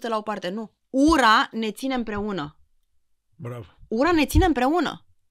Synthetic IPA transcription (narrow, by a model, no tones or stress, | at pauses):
t̪elaopart̪e̞nu | uɾane̞t̪sine̞ɨmpɾe̞unə | bɾavuɾane̞t̪sine̞ɨmpɾe̞unə̰